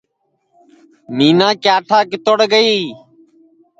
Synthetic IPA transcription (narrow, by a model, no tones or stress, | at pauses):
niːnãːkjaːʈʰaːkɪt̪oɽɡəiː